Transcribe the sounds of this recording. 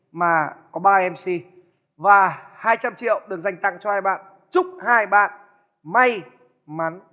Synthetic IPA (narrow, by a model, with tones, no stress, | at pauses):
maː˨˩kɔ˨˦ɓaː˧ɛ˧msi˧ | vaː˨˩haː˧jt͡ɕa˧mt͡ɕḭ˧˨əwɗɨ˨˩ək̚za˨˩jŋ̟t̪a̰˧˨ŋt͡ɕɔ˧haː˧jɓa̰ː˧˨n | t͡ɕʊ˦˥k͡p̚haː˧jɓa̰ː˧˨n | ma˧j | ma˨˦n